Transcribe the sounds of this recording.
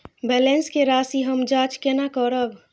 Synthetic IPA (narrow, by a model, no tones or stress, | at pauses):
bɛlenskeɾaːsiɦəmd͡ʒaːt͡ʃkenakəɾəb